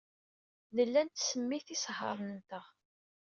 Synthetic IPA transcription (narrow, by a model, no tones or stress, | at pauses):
ðəlːænt̪səmːiθisɦə̰ɾˤnnt̪əʁ